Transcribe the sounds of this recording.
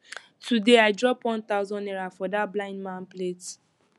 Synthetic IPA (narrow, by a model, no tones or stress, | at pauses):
tudeaɪdɹɔpwɔ̃nt̪aʊzɔ̃nɛɹafɔdablãɪ̃ndmãnplet